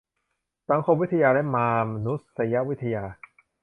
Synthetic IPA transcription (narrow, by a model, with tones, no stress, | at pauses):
sa˨˦ŋkʰo˧mwi˦˥t̪ʰa˧jaː˧ɾɛ˦˥maː˧ma˧nu˦˥sa˧˦ja˦˥ʔwi˦˥t̪ʰa˧jaː˧